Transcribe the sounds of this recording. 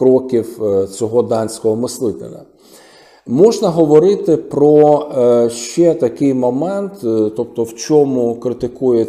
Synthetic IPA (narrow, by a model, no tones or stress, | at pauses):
ɾɔkʲiwt͡sʲɔɦɔd̪ɑnʲsʲkɔɦɔmɪslˠɪt̪ɪ̰nɐ̰ | mɔʒnɐɦɔʋɔɾɪt̪ɪpɾɔ | ʃt͡ʃɛt̪ɐkɪjmɔmɛnt̪t̪ɔp̚t̪ɔwt͡ʃʲɔmʊkɾɪt̪ɪkujɛ